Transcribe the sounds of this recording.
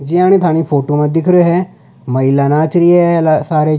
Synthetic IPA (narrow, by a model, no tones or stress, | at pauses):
d͡ʒiːaːñeːt̪ʰaːñiːpʰoːʈoːmãːd̪ɪkʰɾoːɦɛː | məɪlːaːnaːt͡ʃɾiːɛsaːɾeː